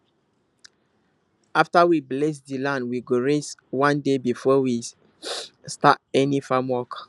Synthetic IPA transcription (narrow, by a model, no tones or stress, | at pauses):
aftawibles̬dilãndwiɡoɹeswãndebifɔwi | stat̚ɛnifamwɔk